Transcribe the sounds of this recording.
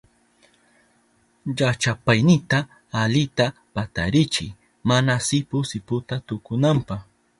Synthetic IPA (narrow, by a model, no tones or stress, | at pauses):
ʎat͡ʃapajnɪt̪aː | ʎɪt̪apat̪aɾɪt͡ʃɪ̰j | manasɪpʊsɪpʊt̪at̪ʊkʊnampax